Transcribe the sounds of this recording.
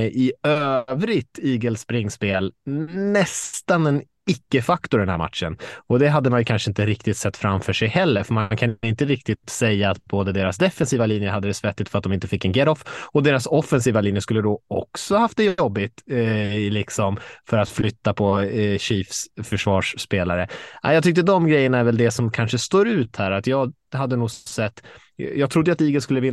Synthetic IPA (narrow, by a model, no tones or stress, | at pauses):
ʔɪøːvɾɪt̪iːɡəlspɾɪŋːspeːlnɛst̪anɛn | ɪkːəfakt̪ʊɾd̪ɛnhæ̰ːɾma̰t̪ʂənɔd̪ɛɦad̪ːəmanjɵkʰanʂəɪnt̪əɾɪk̚t̪ɪt̪sɛt̪ːfɾamfœʂɛjhɛlːəɾfœɾmankʰanɪnt̪əɾɪk̚t̪ɪt̪sɛjːaːt̪̚boːd̪əd̪eːɾasd̪ɛfɛnsiːvaliːnjəhad̪ːəd̪ɛsvɛt̪ːɪt̪fœɾat̪d̪ɔmɪnt̪əfɪkːɛnɡɛɾɔfɔd̪eːɾasɔfɛnsiːvaliːnjəskɵlːəd̪ɔɔ̰ksɔhahaft̪d̪ɛjɔbːɪt̪ | lɪksɔmfœɾat̪flʏt̪ːapʰɔɕiːfsfœʂvɑːʂːpeːlaɾəʔa̰jɑɡt̪ʏkt̪əd̪ɔmɡɾɛjːənaæɾvɛld̪ɛsɔmkʰanʂəst̪oːɾʉ̟ːt̪hæːɾat̪jɑːɡ | had̪ːənuːɡsɛt̪ː | jɑːɡt̪ʰɾʊd̪ːjat̪iːɡəskɵlːəvɪnː